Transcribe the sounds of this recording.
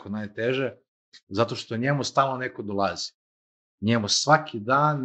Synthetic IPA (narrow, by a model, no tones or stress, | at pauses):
konajt̪eʒe | zat̪o̞ʃt̪oɲemust̪aːlˠnonekod̪olˠazi̥ | ɲemusʋakʰid̪aːn